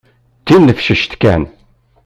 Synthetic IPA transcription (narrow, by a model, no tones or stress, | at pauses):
t̪ːinːəfʃəʃt̪kæ̰n